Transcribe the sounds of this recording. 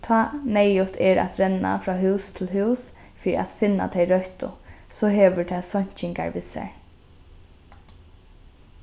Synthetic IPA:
t̪ʰɑːnɛjʊt̪ɛɾa̰t̪ɾɛnːa̰fɾɔːɦʉːst̪ʰɪlɦʉːs | fiːɾḭʔat̪fɪnːa̰t̪ʰɛɪɾœht̪ʊ̰sɔːɦɛːʋʏɹt̪ʰɛsɔɲ̥t͡ʃɪŋka̰ɹʋɪsɛ̰ɹ

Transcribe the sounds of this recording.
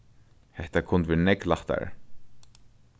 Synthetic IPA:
hɛht̪akʰʊnt̪ʋɛnɛklaht̪a̰ɾ

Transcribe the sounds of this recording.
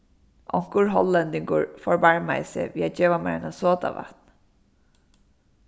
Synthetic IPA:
ʔɔŋ̥kʊɹɦɔlːɛnd̪ɪŋkʊɹfɔɹbaɹma̰ɪsɛ̰ʋiːad͡ʒeːʋamɛ̰ɹnasoːt̪a̰ʋa̰t̪n

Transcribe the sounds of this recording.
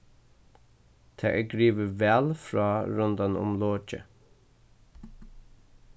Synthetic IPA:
t̪ʰaːʔɛɡɹiːʋəʋɛlfɹaːɾʊnd̪anʊ̰mloːt͡ʃə̰

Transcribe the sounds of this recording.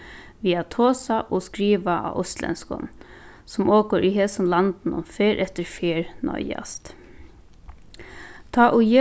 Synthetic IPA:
ʋiːat̪ʰoːsaʔɔskɾiːʋaʔa̰ʔʊst̪lɛ̰nskɔ̰n | sɔmoːkəɾʔiɦeːsʊnlant̪n̩ʊ̰mfeːɾʔɛt̪əɾfjeːɾnɔ̰ʏa̰st̪ | t̪ʰɑːʔʊje

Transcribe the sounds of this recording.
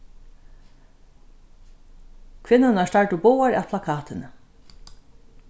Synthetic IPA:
kʰvɪnːanast̪aɹʈʊbowaɾæ̰ðpʰlakʰɑːt̪ɪnə

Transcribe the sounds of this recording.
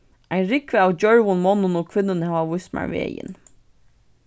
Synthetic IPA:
ajnɾɪkʋɪawd͡ʒœɹʋʊnmɔnːənoːkʰʋɪnːənhavaʋʊjsma̰ɹʋḛːjɪ̰n

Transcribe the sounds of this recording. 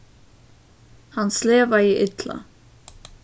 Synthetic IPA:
hanːslɛːvaiʔɪt̪la̰

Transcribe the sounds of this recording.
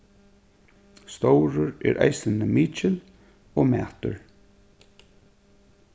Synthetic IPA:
st̪owɾʊɹɛ̰ɹʔa̰jsɪnəmiːt͡ʃɪl | omæ̰ːt̪ʊ̰ɹ

